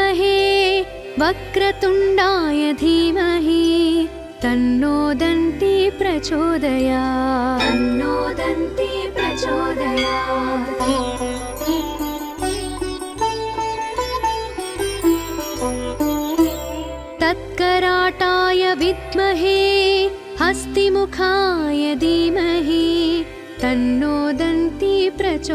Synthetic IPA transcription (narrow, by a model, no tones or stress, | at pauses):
ɐɦeː | ʋɐkɾɐt̪uɳɖaːjɐd̪ʱiːʋɐɦi | t̪ɐnːoːd̪ɐnt̪ipɾɐt͡ʃoːd̪ɐjaːɐnːoːd̪ɐnt̪ipɾɐt͡ʃoːd̪ɐjaː | t̪ɐt̪̚kɐɾaːʈaːjɐʋid̪mɐɦeː | hɐst̪imukʰaːjɐd̪iːmɐɦi | t̪ɐnːoːd̪ɐnt̪ipɾɐt͡ʃo